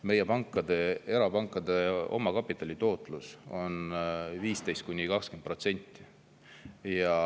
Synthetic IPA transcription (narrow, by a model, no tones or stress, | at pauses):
me̞jepɑŋkˑːɑd̪̥e̞e̞ɾɑpɑŋkːˑɑd̪̥e̞o̞̰mɑkɑpːˑit̪ːˑɑlʲit̪o̞ːt̪ˑluso̞nviːst̪e̞jst̪̚kunʲːikɑkskend̪pro̞t̪se̞nʲt̪ːˑi̥ | jɑ